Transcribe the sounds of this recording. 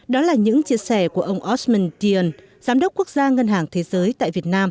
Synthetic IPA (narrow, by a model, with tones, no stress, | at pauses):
ɗɔ˨˦laː˨˩ɲɨ̰˧˥ŋt͡ɕi˧əsɛ˧˩ku˧˩əʔə˧wŋ͡mʔɔ˦˥mi˧nt̪i˧ə˨˧n | zaː˨˦mɗə˦˥k͡p̚ku˦˥ək̚z̥aː˧ŋə˧nɦaː˨˩ŋt̪ʰe˨˦zəː˨˦jt̪a̰ː˧˨jvi˨˩ət̚naː˧m